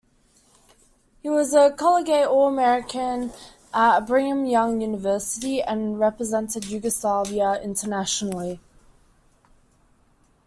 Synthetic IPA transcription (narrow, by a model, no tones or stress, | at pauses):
hiwɒzəkʰɒləɡeɪʔɔəmɛɹɪkʰə̃n | ʔəʔbɹĩə̃mjʌ̃ŋjʉːnɪvɜˑsɪtiə̃nɹɛpɹəzɛ̃ntɪdjʉːɡəslɑːviəɪ̰̃ntʰənaʃənəli